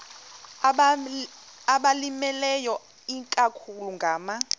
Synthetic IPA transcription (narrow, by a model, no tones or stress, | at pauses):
aɓalimɛlɛjɔ | iŋkʼakʰuluŋɡʱaːma